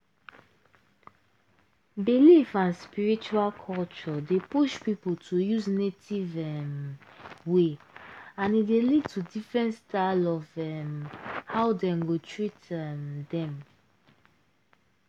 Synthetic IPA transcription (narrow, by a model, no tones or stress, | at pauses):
bilifãnspiɹit͡ʃualkʰɔlt͡ʃɔdepuʃpipəltʰujuznetivɛm | we | ãnidelid̚tʰudifɹɛ̃ntstʰaɪlɔvɛmhaʊdɛ̃nɡotʰɹitɛmdɛ̃m